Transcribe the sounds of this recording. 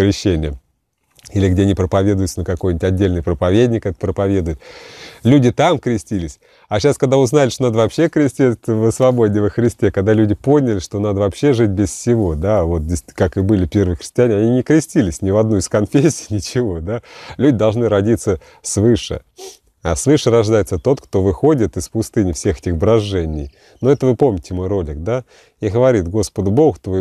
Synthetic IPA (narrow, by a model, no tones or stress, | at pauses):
kɾʲɪɕːenʲɪjə | ilʲɪɡdʲeɐnʲipɾəpɐvʲe̞d̪ʊjʊt̪sənəkɐko̞jnʲɪtʲɐdʲːelʲnɨjpɾəpɐvʲedʲnʲɪkɛt̪ət̪pɾəpɐvʲe̞d̪ʊjɪt̪lʲudʲɪt̪amkɾʲɪsʲtʲilʲɪsʲ | aɕaskɐɡd̪aʊznalʲɪʂt̪onad̪əvɐpɕːe̞kɾʲɪsʲtʲit̪vəsvɐbo̞dʲɪjvəxɾʲɪsʲtʲe̞kɐɡ̚d̪alʲudʲɪpo̞nʲɪlʲɪʂt̪o̞nad̪əvɐpɕːeʐɨt̚ʲbʲɪssʲɪvo̞d̪avo̞t̪̚dʲɪsʲkakɨbɨlʲɪpʲe̞rvəjxɾʲɪ̥sʲtʲɪanʲɪɐnʲinʲɪkɾʲɪsʲtʲilʲɪsʲnʲɪvɐd̪nuɪskɐnfʲesʲɪ̥jnʲɪt͡ɕɪvo̞d̪alʲudʲɪd̪ɐlˠʐnɨɾɐdʲit̪sə | svɨʂɨ̰ | asvɨʂəɾɐʐd̪ajɪt̪sət̪o̞t̪kt̪o̞vɨxo̞dʲɪt̪ɨspʊst̪ɨnʲɪfsʲe̞xɛtʲɪxbɾɐʐːɛnʲɪ̰j | noɛt̪əvɨpo̞mnʲɪtʲɪmo̞jro̞lʲɪk̚d̪a | iɣəvɐɾʲit̪ɡo̞spəd̪ʊbo̞ɣt̪voj